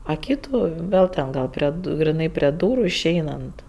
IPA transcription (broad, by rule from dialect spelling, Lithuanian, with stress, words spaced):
ɐ ˈkʲiːtuː ˈʋʲeːlˠ tʲɛn ˈɡɐlˠ pʲrʲiɛ ɡrʲɪˈnɐɪ pʲrʲiɛ ˈduːrʊ ɪʃʲˈɛɪnɐnt